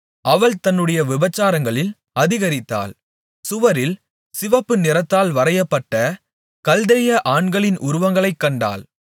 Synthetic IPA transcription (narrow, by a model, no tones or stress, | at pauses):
ʔɐʋɐɭt̪ɐnːɯɽɐjɐʋɪbɐt͡ʃːaːɾɐŋɡɐɭɪl | ɐðɪɣɐɾɪt̪ːa̰ːl | sʊʋɐɾɪl | sɪʋɐpːɯnɪɾɐt̪ːaːlʋɐɾɐjɐpːɐʈːɐ | kɐld̪ɛjɐʔaːɳɡɐɭɪnʔʊɾʊʋɐŋɡɐɭɐɪkːɐɳɖa̰ːl